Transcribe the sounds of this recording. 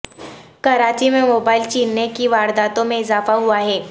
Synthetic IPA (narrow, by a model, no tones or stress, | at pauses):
kɐɾaːt͡ʃimẽmoːbaːɪlt͡ʃiːnːekiʋaːɾd̪aːt̪õmẽɪzaːfaɦuaɦɛː